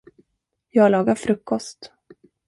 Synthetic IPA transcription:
jɑːɡlɑːɡaɾfɾɵkːɔst̪

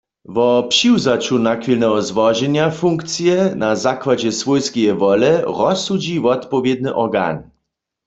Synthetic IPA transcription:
vɔpʂiwzat͡ɕunakfʲilnɛɦɔzvɔʒɛɲafuŋkt̪sjɛnazakwad͡ʑɛsvujskʲejɛvɔlɛʁɔsud͡ʑivɔt̪pɔvʲjɛd̪̚nɘʔɔʁɡa̰n

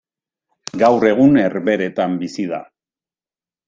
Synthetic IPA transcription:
ɡawre̞ɣ̞une̞ɾβe̞ɾe̞t̪ambisiða̰

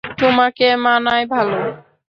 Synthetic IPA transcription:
t̪omakemanajbʱalo

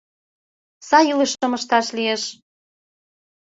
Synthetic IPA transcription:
sɑjiləʃə̆mə̆ʃt̪ɑʃlijeʃ

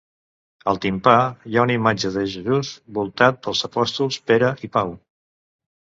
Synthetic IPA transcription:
əlˠt̪impajaunimad͡ʒəðəʒəzuzbulˠt̪at̪̚pəlˠzəpɔst̪ulˠspeɾəʔipaw

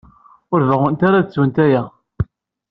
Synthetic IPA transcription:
ʊɾvəʁʊnt̪aɾat͡sːwənt̪æjæ

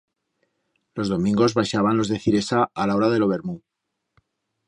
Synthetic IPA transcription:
lo̞zðo̞mĩŋɡo̞zβaʃaβanlo̞zðe̞θiɾe̞saːlao̞ɾaðe̞lo̞β̞e̞ɾmu

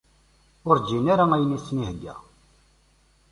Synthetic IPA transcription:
ʊɾd͡ʒinaɾaæjənisnihɡːæ̰

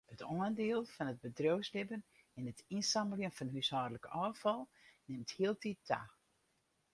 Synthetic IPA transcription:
hətʰɔəndeəlˠfɔnət̚bədrowslɪbən | ɛnətinsɑmbəljənfɔnɦyshɔːdələkɔːfɔlˠnɪmthiəlˠtitʰa̰

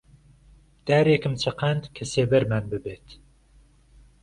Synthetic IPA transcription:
d̪̥æːɾekɨmt͡ʃʰɐqʰænd̪kʰɛseːvɛɾmænbɨbeːt̪

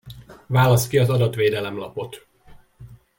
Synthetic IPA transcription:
vaːlɒst̪kiɒzɒd̪ɒt̪ʋeːd̪ɛlɛmlɒ̰po̞t̪

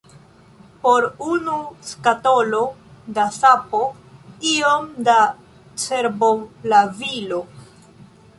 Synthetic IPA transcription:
po̞ɾunuskato̞lo̞dasapo | iomda | t͡se̞ɾbolavilo̞

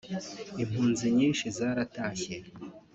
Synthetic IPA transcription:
im̥huːnziɲiːnʃizaːɾataːçe

